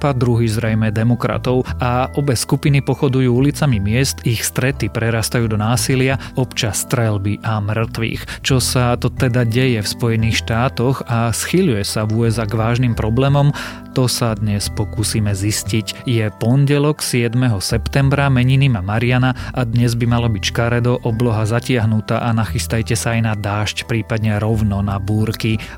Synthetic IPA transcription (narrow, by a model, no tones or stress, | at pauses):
pad̪ɾuɦiːzɾɛjmɛd̪ɛmɔkɾa̰t̪ɔʊaʔɔbɛskupinipɔxɔd̪ujuːulit͡samimɪɛst̪ixst̪ɾɛt̪ipɾɛɾaːst̪ajuːd̪ɔnaːsilɪaɔpt͡ʃasːt̪ɾɛlbiʔamr̩r̩t̪ʋḭːxt͡ʃɔsat̪ɔt̪ɛd̪aɟɛjɛfspɔjɛniːxʃt̪aːt̪ɔɣasxiʎujɛsavuːɛzaɡʋaːʒnimpɾɔblɛːmɔm | t̪ɔsad̪ɲɛspɔkusiːmɛziscicjɛpɔnɟɛlɔksɪɛd̪mɛɦɔsɛpt̪ɛmbɾamɛɲinimamaɾianaʔad̪ɲɛzbimalɔbicʃkaɾɛd̪ɔʔɔblɔɦazacɪaɦnut̪aʔanaxist̪ajcɛsaajnad̪aːʃcpɾiːpad̪ɲɛɾɔʊnɔnabuːɾki